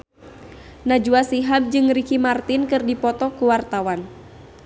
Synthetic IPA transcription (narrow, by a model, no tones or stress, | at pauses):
nad͡ʒuasiɦab̚d͡ʒɨŋɾikimart̪inkɨrdipɔt̪ɔkuwart̪awan